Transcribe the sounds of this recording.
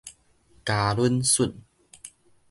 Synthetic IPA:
kaː˧lu˦nsu˥˨n

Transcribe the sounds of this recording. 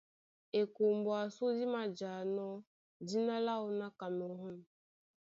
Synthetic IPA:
e˨ko˨mbo˨a˨so˦di˦ma˨d͡ʒa˨nɔ˦ | di˦na˦la˦u˦na˦ka˨mo˨ɦɔ˦n˨

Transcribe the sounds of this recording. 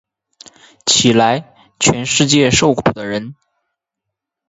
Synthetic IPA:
t͡ɕʰi˨˩la˧˥ɪ | t͡ɕʰɥɛ˧˥nʂɻ̩˥˧t͡ɕjɛ˥˧ʂo˥˩ʊkʰu˨˩d̪ə˦ɻə˧˥n

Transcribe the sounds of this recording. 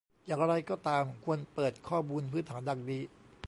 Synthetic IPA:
jaː˨˩ŋɾa˧jkɔː˥˩t̪aː˧mkʰu˧ənpɤː˨˩t̪̚kʰɔː˥˩muː˧npʰɯ˦˥nt̪ʰaː˩˦nda˨˩k̚diː˧

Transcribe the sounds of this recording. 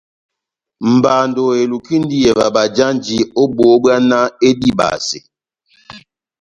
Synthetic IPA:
m̩˨ba˨ndo˨e˨lu˨ki˦n˦di˦je˨va˨ba˨d͡ʒa˦nd͡ʒi˦o˦bo˨˦ba˦na˦e˦di˦ba̰˨si˨

